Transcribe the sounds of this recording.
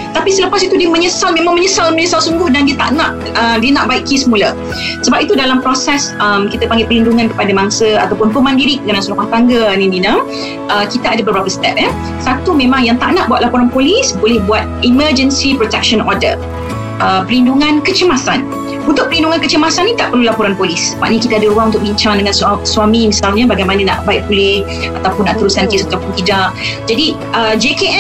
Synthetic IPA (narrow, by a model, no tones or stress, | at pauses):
t̪apisələpasit̪udiəmə̃ɲəsalmẽmaŋmə̃ɲəsalmə̃ɲəsalsuŋɡʊhdandiət̪a̰ʔnãʔ | əmdiənaʔbaiʔkːisəmũlə | səbap̚it̪udalampɾosɛsəmkit̪əpaŋɡɪpəlinduŋankə̥padamaŋsəa̰t̪awpʊnpəmãndiɾɪk̚ɡanãnslukaht̪aŋɡənĩndinə | ʔəkit̪aadabəbɾapəst̪ɛp̚ɛ | sat̪umẽmãŋjaŋt̪aʔnaʔbuat̪̚lapoɾanpolisbolɛhbuat̪̚iməd͡ʒənsipɾot̪ɛk̚ʃənɔdə̰ | ʔəpəɾlinduŋãnkət͡ʃəmasan | unt̪ʊk̚pəlinduŋankət͡ʃəmasanːĩt̪aʔpərlulapoɾanpolisma̰ʔnəkit̪adaɾuaŋunt̪ʊk̚biɲt͡ʃaŋdəŋansswamimisalɲabaɡajmanana̰ʔbaɪʔ̚bulɪh | at̪awpʊnːaʔt̪əɾusankɪsət̪apunt̪idad͡ʒadi | ʔəd͡ʒeke